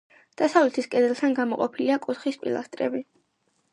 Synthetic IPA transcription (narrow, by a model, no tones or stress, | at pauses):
d̪̥asavlit̪ʰiskʼɛd̪ɛlˠt̪ʰanɡamɔqʼɔpʰiliakʼut̪χispʼḭlˠa̰st̪ʼɾɛ̰bi